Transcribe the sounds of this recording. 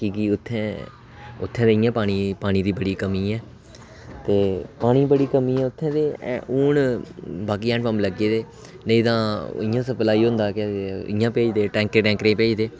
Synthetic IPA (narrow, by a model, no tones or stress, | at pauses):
kiːkiʊt̪ʰːɛ̃ː | ʊt̪ʰːɛ̃ːd̪eːɪjãːpaːɽ̃iːpaːñiːd̪iːbəɽiːkəmiːɛː | t̪eːpaːɽ̃iːbəɽiːkəmiːɛːʊt̪ʰːɛ̃ːd̪ḛːuːɳbaːk̬iːɛ̃ːɳpəmləɡeːd̪eː | nəĩːt̪ãːɪːjãːsəplaːiːɦõːnd̪aːkɛːɪjãːpeːid̪eːʈɛ̃ːŋkɾeːʈɛ̃ːŋkɾẽːpeːid̪eː